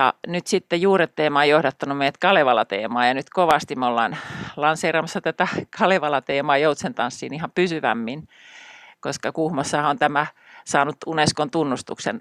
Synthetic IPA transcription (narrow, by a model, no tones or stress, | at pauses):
jɑ̰nyt̪sit̪ːejuːret̪ːeːmɑejohdɑt̪ːɑnummeijæt̪kɑleʋɑlɑt̪ḛːmɑːjɑnyt̪koʋɑst̪imeolːɑ̰ːnlɑnseiːrɑmɑsːɑt̪æt̪ækʰɑleʋɑlɑt̪eːmɑːjout̪sent̪ɑnsːḭːnihɑmpysyʋæ̰mːin | koskɑkuhmosːɑhɑont̪æmæ | sɑːnut̪uneskont̪unːust̪ṵksḛn